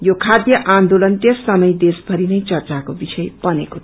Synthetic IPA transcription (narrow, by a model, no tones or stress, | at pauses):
jokʰad̪jʌʔand̪olʌnt̪esːʌmʌjd̪esbʱʌɾinʌjt͡sʌrt͡sakobisʌjpʌneko